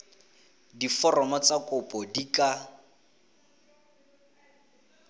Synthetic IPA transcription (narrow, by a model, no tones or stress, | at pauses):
difɔrɔmɔt͡sakʊpʼɔdikʼa